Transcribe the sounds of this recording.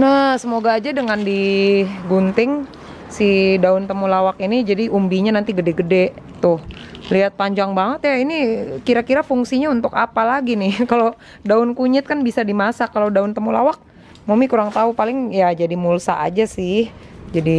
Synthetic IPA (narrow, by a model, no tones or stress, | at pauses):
nahsəmoɡaːd͡ʒadəŋandiɡunt̪ɪŋ | sidaʊnt̪əmulawakinid͡ʒadiʔumbiɲanant̪iɡədɛɡədɛ | t̪ʊhliɦat̪̚paɲd͡ʒaŋbaŋət̪jainikiɾakiɾafuŋsiɲaunt̪ʊkapalaɡinɪhkalo | daʊnkuɲɪt̪̚kanbisadimasakalodaʊnt̪əmulawak̚ | mumikuɾaŋt̪aupalɪŋjad͡ʒadimulsaʔa̰d͡ʒasɪhd͡ʒadi